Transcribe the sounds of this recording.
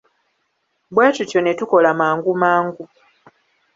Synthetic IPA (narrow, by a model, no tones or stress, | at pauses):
bwaːtutjo̞netuko̞lamaːŋɡumaːŋɡu